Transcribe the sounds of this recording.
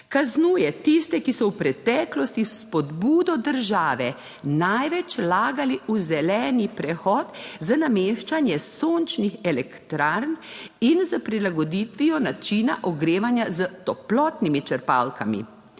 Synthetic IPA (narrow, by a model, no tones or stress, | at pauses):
kaznuːjɛt̪ist̪ɛkisɔwpɾɛt̪ɛːklɔst̪ispɔd̪buːd̪ɔd̪əɾʒaːʋɛ | najʋɛt͡ʃlaːɡaliuzɛlɛːnipɾɛxɔːt̪zanameːʃt͡ʃanjɛsont͡ʃnixɛlɛkt̪ɾaɾninzəpɾilaɡɔd̪iːt̪ʋijɔnat͡ʃiːnaʔɔɡɾeːʋanjazət̪ɔplɔːt̪nimit͡ʃəɾpa̰lkamḭ